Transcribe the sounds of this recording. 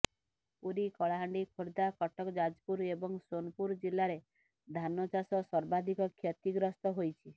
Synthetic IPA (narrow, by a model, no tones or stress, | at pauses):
puɾikɔɭaɦaɳɖikʰoɾd̪akɔʈɔkɔd͡ʒad͡ʒpuɾebɔŋsonpuɾd͡ʒilːaɾe | d̪ʱanɔt͡ʃasɔsɔɾbad̪ʱikɔkʰjɔt̪iɡɾɔst̪ɔɦojt͡ʃʰi